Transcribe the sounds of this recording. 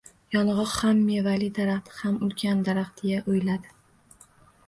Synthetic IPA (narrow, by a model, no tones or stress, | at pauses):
jɒnʁɒqhamːevalɪd̪aɾaχt̪ʰɪ̥hamʊlkʲʰand̪aɾaχt̪ʰɪjaʔojlad̪ɪ